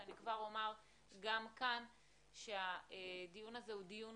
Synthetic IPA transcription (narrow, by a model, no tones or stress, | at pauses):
anikvaʁomaʁ | ɡamkan | ʃeadijunazehudijun